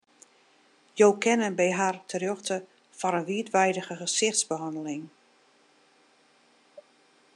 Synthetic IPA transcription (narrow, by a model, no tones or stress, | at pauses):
joːwkʰɛnənbɛjɦartʰərjøxtə | fɔɾənʋiətʋɛjdəɣəxəsɪxtzbəɦɑndəlɪŋ